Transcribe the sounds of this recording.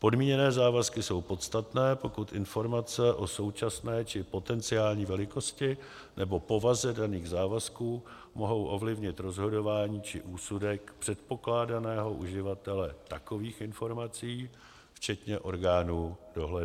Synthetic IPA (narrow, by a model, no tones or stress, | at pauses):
po̞dmiːɲɛnɛːzaːvaskɪso̞wpo̞t̪st̪at̪nɛːpo̞kut̪ʔɪnfo̞ɾmat͡sɛʔo̞so̞wt͡ʃasnɛːt͡ʃɪpo̞t̪ɛnt͡sɪaːlɲiːvɛlɪko̞scɪ | nʔɛbo̞po̞vazɛdaniːɣzaːvaskuː | mo̞ɦo̞wʔo̞vlɪvɲɪt̪ɾo̞zɦo̞do̞vaːɲiːt͡ʃɪʔuːsudɛkpr̝̥ɛt̪po̞klaːdanɛːɦo̞ʔuʒɪvat̪ɛlɛt̪ako̞viːxɪnfo̞ɾmat͡siː | ft͡ʃɛt̪ɲɛʔo̞ɾɡaːnuːdo̞ɦlɛdu